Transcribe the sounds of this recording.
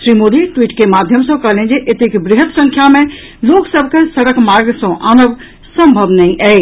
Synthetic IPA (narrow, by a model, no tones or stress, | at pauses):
ʃɾimod̪iʈwiːʈkemad̪ʱjəmsə̃kəɦlẽd͡ʒeʔet̪ekbɾɪɦət̪sə̃ŋkʰjamẽ | loksəbʱkesəɽəkmaɾɡsə̃ʔanəb | sə̃mbʱəbnɛĩʔɛ